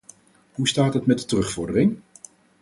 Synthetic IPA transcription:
ɦustaːtɦətmɛt̚dətəʁɵχfɔɹdərɪŋ

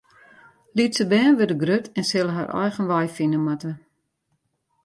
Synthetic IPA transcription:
litsəbɛːnʋødəɡrøtʰɛnsɪlˠəɦa̰rʔɛ̰jɣənʋajfinəmatə

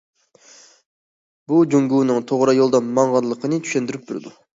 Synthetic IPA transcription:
bud͡ʒuŋɡuːnɨŋt̪ʰoʁɾɑjolˠd̪ɑnmɑɴʁɑnlˠəqʰənɨt͡ʃ̪ʰy̥ʃɛnd̪yɾyp̚t̪ʰuɾɨ̰d̪u

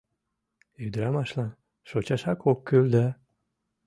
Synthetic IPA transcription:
yd̪ɾamaʃlan | ʃot͡ɕaʃakʰokʰːøld̪a

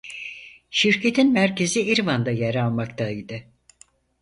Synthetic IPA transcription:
ʃiɾcʰe̞t̪ʰinmæɾce̞ziiɾvand̪ajaɾalˠmakt̪ʰajd̪ɯ

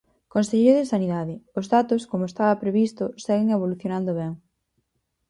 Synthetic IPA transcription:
konsejejɾoðesaniðaðɪozðat̪ʊskomʊest̪aβɐpɾeβist̪ʊsɛɣɪŋeβ̞oluθjonãnd̪ʊβɛŋ

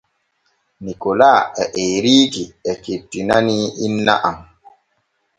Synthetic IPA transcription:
nikolaːɛʔeɾiːkiɛketːinaniinːa̰ʔam

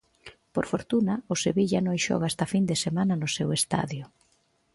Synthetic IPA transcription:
poɾfoɾt̪unɐʊseβiʎanõjʃɔ̰ɣaest̪afind̪esemanɐnʊsewest̪a̰ðjʊ

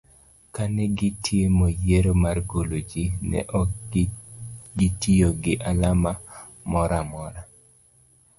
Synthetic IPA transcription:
kanɛɡɪtʰjemojeɾomarɡolod͡ʒinɛ̰ʔɔ | ɡɪtioɡɪʔalama | mɔɾamɔɾa

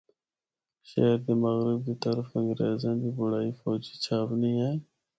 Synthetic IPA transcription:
ʃə̰ɦəɾd̪eːməɣɾɪb̚d̪iːt̪əɾəfə̃ŋɡɾeːzãːnd̪iːbʊɽaːiːfɔːd͡ʒiːt͡ʃʰaːpnĩːaː

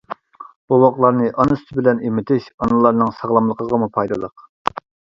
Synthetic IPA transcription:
b̥uwɑqlˠɑɾnɨʔɑnɨst̪ʰɪbɪlɛnimɪt̪ʰɪʃɑnɨlˠɑɾnɨŋsɑʁlˠɑmlˠəqʰəʁɑmupʰɑjd̪ɨlˠə̰q

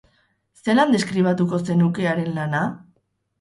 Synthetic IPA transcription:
se̞land̪e̞skɾiβ̞at̪uko̞se̞nuke̞aɾe̞nlana

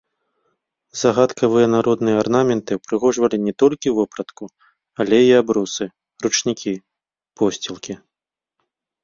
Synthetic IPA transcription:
zɐɣat̪kʰɐvɨjɐnaɾɔd̪nɨjɐarnamʲɛnt̪ɨpɾɨɣɔʐvɐlʲinʲɛt̪ɔlʲkʲiwvɔpɾɐt̪ku | alʲɛiabɾusɨ | rut͡ʂnʲikʲi | pɔsʲt͡sʲilˠkʲi

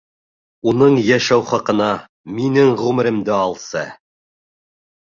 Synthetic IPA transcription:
unɤɴjæʃæwχɑqɤ̆nɑ | minɘɴʁʉmɘ̆ɾɘ̆md̪ɘɑlˠsɤ̰

